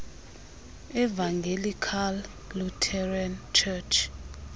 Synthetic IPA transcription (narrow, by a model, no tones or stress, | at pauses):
ɛvaŋɡʱelikʰalː | utʰɛrant͡ʃʰɛt͡ʃʰ